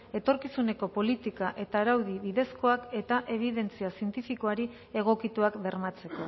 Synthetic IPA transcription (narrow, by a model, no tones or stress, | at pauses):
e̞t̪o̞ɾkisune̞ko̞po̞lit̪ikaʔe̞t̪aːɾawðiβiðe̞sko̞ake̞t̪aʔe̞β̞iðe̞nt͡siasie̞nt̪ifiko̞aɾi | e̞ɣ̞o̞kit̪uakbe̞ɾmat͡se̞ko̞